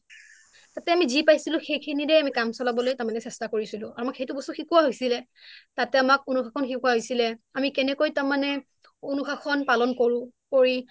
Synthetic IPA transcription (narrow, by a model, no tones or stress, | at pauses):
tatɛamizipajsilʊ̃xejkʰiniɹɛamikamsɔlabɔlojtaɹmanɛsɛstakoɹisilʊ̃aɹuamakxejtʊbɔstuxikuwaɦojsilɛ | tatɛamak̚unuxakʰɔnxikuaɦojsilɛamikɛnɛkojtaɹmanɛ | unuxakʰɔnpalɔnkoɹʊ̃koɹi